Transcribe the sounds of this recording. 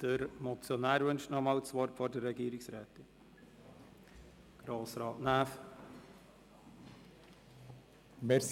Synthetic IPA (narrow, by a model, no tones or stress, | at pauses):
d̥əɾmɔt͡sjɔnæːɾvɵnʃtnɔmɑːwt͡sʋɔɾtfɔɾdərːɛɡiːɾɪksɾɛːtɪn | ɡ̥ɾoːsɾɑːtnæːf | mɛs